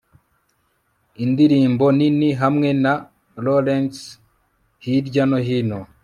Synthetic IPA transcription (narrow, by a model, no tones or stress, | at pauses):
indiɾiːmboniniɦamŋe̞na | lolens | hiɾɟanoɦino